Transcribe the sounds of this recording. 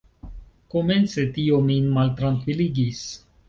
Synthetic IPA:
ko̞me̞nt͡se̞t̪iominmalt̪ɾaŋkviliɡis

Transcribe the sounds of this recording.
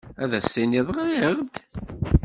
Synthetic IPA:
æðæsːiniðˤʁajəʁd̪

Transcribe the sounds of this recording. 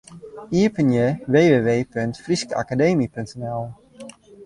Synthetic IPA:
iəpənjəʋeːʋeːʋeːpøntfriskəʔa̰kadeːmipøntənɛlˠ

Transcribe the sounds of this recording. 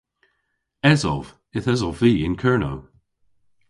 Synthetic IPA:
ɛzɔ̰v | ɪθɛzɔviːɪ̃nkʰɜːɹno̰w

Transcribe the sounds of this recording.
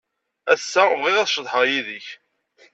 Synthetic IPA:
æθsːævʁiʁæθʃðˤħəʁjiðəç

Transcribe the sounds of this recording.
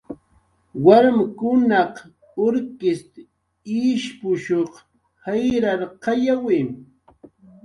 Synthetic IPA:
waɾmkʊnɑq | oɾkɪst̪ | iʃpʊʃoχ | hajɾaɾqɑjawɪm

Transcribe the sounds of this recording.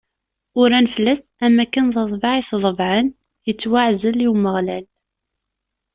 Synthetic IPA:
ʊɾænfəlːæsæmːækːənðˤəðˤvɑʕiθðˤəvʕən | jət͡sːwaʕzəliwməʁlæl

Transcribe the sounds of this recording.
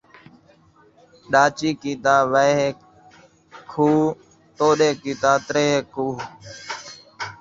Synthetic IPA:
ɗaːt͡ʃiːkiːt̪aːʋə | kʰuː | t̪oːɗeːkiːt̪aːt̪ɾeːkuː

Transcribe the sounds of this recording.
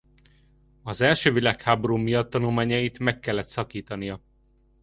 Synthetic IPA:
ɒzɛlʃøːvilaːkhaːboɾuːmijɒt̪ːɒnulmaːɲɒjit̪mɛkːɛlːɛt̪sɒkiːt̪ɒnijɒ

